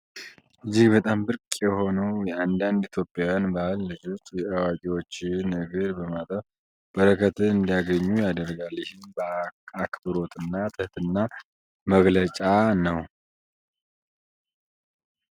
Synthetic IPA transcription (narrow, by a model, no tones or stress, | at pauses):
ʔɨd͡ʒːiɡbət̪ʼambɨɾkʼjɛho̞nəwjɛand̪and̪it̪ʰjo̞pʼːjawjanbahlːɨd͡ʒot̪ʼjɛʔawakʼiwo̞t͡ʃːɪnɡəɾbəmat̪ʼəf | b̥əɾəkʰət̪ɨnɨnd̪ijaɡəɲːujad̪ərɡalɪhɪnbəakʰbɨɾo̞t̪ʰʼɨnːat̪ʰəht̪ɨnːa | məɡlət͡ʃʼanəw